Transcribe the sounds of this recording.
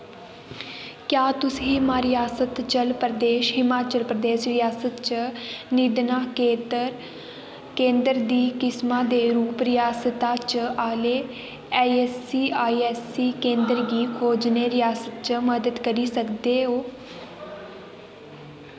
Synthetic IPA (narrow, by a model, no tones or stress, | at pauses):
kjaːt̪ʊsiːmaːɾɪjaːsət̪t͡ʃəlpɾəd̪eːʃɦɪmaːt͡ʃəlpɾəd̪eːʃɾɪjaːsət̪t͡ʃənid̪naːkeːt̪əɾ | kẽːnd̪əɾd̪iːkɪsmãːd̪eːɾuːpɾɪjaːsət̪aːt͡ʃaːleː | ɛɛsiːaːiɛːsiːkẽːnd̪əɾɡiːkʰoːd͡ʒneːɾɪjaːsət̪̚t͡ʃəməd̪əd̪kəɾiːsəkd̪eːɦoː